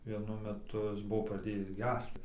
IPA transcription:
ʋʲiɛˈnʊ mʲɛˈtʊ ˈjɪs ˈbʊʋoː prɐˈdʲeːjɪs ˈɡʲɛrt͡s

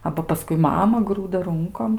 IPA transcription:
ˈɑːbɐ pɐˈskʊɪ ˈmɑːmɐ ˈɡruːdɐ ˈrʊŋkoːm

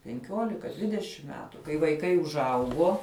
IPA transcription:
pʲɛŋʲˈkʲoːlʲɪkɐ ˈdʲʋʲɪdʲɛʃʲɪm ˈmʲæːtʊ kɐɪ ʋɐɪˈkɐɪ ʊʒˈɐʊɡoː

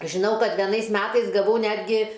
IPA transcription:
ʒʲɪˈnɐʊ ˈkɐt ʋʲɛˈnɐɪs ˈmʲæːtɐɪs ɡɐˈʋɐʊ ˈnʲæːdʲɡʲɪ

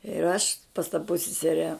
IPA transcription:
ɪr ˈɐʃ pɐs tɐ pʊsʲsʲɪˈsʲæːrʲɛ

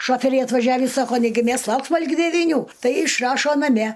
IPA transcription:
ˈʃoːfʲɛrʲɛɪ ɐtʋɐˈʒʲæːʋʲiː ˈsɑːkoː ˈnʲæːɡʲɪ ˈmʲɛs ˈlˠɐʊksmɐ lʲɪɡʲɪ dʲɛʋʲɪˈnʲuː ˈtɐɪ ɪʃˈrɑːʃoː nɐˈmʲɛ

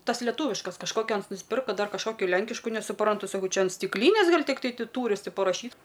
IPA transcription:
ˈtɐs lʲɛˈtuːʋʲɪʃkɐs kɐʃˈkoːkʲoː ˈɐns nʊsʲˈpʲɪrkɐ dɐr kɐʃˈkoːkʲoː ˈlʲɛŋʲkʲɪʃkʊ nʲɛsʊˈprɐntʊ sɐˈkɐʊ ˈt͡ʃʲɛ ɐn sʲtʲɪkˈlʲiːnʲeːs ˈɡɐlʲ tʲɪkˈtɐɪ ˈtʲɪ ˈtuːrʲɪs ˈtʲɪ pɐrɐˈʃʲiːt

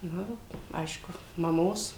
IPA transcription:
ˈnʊ ˈɐɪʃkʊ mɐˈmoːs

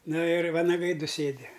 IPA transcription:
ˈnʊ ɪr ʋɐnɐˈɡɐɪ ˈdʊ ˈsʲeːdʲɪ

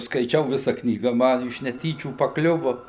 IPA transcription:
skɐɪˈt͡ʃʲɛʊ ˈʋʲɪsɐ ˈknʲiːɡɐ ˈmɐ ɪʃ nʲɛˈtʲiːt͡ʃʲuː pɐˈklʲʊʋʊ

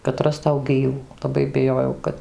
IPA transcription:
kɐt ˈrɑːstɐʊ ˈɡʲiːʋuː lˠɐˈbɐɪ bʲɪˈjoːjɛʊ ˈkɐt

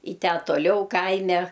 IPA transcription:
ɪ ˈtʲæː toːˈlʲɛʊ ˈkɐɪmʲɛ

